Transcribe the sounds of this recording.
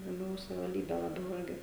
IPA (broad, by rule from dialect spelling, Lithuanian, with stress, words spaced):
lˠɐˈbʲɛʊ sɐʋʲɪʋɐlʲˈdʲiːbʲɛ lˠɐˈbʲɛʊ ˈɪrʲɡʲɪ